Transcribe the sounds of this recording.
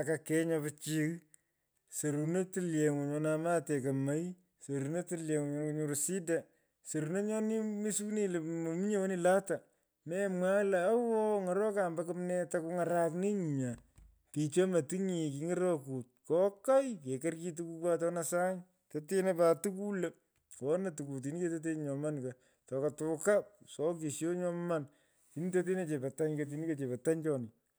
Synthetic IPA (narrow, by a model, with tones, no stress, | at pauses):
a˨kakɛ˦ɲɔpɪt͡ʃi˧ɣ | so˨ɾu˨ne˦tɨlje˨ŋʊ˨ɲɔ˧na˨ma˦te˨kɐ˨ma˦j | so˨ɾu˨ne˦tɨ˦lje˨ŋ˨ɲɔ˦ku˦ɲu˨ɾusi˦da˨ | so˨ɾu˨ne˦ɲɔ˦ni˦mi˦su˦ni˦lmo˨mi˦ɲe˦wo˦ni˦˨la˦ta˨ | mɛmwa˦la˨a˦wɔ˦ŋɔ˨ɾɔ˦ka˨mba˦kɨmnɛ˦taku˦ŋa˨ɾa˦kni˦ɲ˨ɲa˨ | ti˨t͡ʃo˦mɐ˨ti˦ŋi˨k̬i˨ŋɪ˦ɾɔ˦ku˨t̚kɔ˦ka˦jke˨kɛ˦rki˦tuku˧kwa˦tɔ˦nasa˦ŋ | tete˦na˦patu˦ku˦le˦ | kɔ˦natu˨ku˨t̬i˨ni˦ke˦tet̬e˦ɲɲɔ˨ma˦nka | tɔ˨ka˨tʊ˨ka˦p̚sɔ˨˦k̬i˨sjo˦ɲɔ˦ma˦n | ti˨ni˦to˦t̬e˦ne˦t͡ʃe˨pa˨ta˦ɲkot̬i˨ni˦ke˨t͡ʃe˨pa˨ta˦ɲt͡ʃɔ˨nɪ